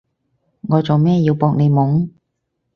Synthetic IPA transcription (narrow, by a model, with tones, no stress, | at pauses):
ŋɔː˨˧t͡so˨wmɛː˥˩jiː˧wpɔː˧k̚ne˨˧jmʊ˨˥ŋ